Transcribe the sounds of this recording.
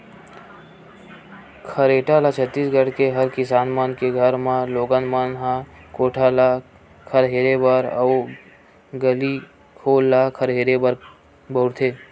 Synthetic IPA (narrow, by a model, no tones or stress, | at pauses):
kʰəɾeːʈaːlat͡ʃʰət̪ːiːsɡʱəɽkeɦɐɾkɪsaːnmaːnkeɡʱəɾmãloːɡənmanɦãkoːʈʰala | kʰəɾɦeːɾebəɾɐ̰ː | ɡəli | kʰoːlːakʰəɾɦeːɾebəɾ | bəʊɽt̪ʰeː